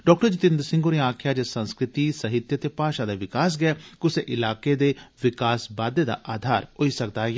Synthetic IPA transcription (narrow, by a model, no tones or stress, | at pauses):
ɖɔːk̚ʈəɾd͡ʒɪt̪ɪ̃nd̪ɾsɪ̃ŋɡoːnẽaːkʰjaːd͡ʒesə̃nskɾɪt̪iːsəɦɪt̪jət̪eːpaːʃaːd̪eːʋɪkaːs̬ɡɪɛːkʊseʔɪlaːkeːd̪eːʋɪkaːsbaːd̪eːd̪a̰ʔaːd̪ʱaːɾɦoiːsək̚d̪aːj